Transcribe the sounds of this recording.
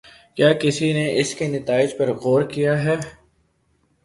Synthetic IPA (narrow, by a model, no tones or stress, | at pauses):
kjaːkɪsineʔɪskenɐt̪aːɪd͡ʒpɐɾɣoːɾkijaɦɛː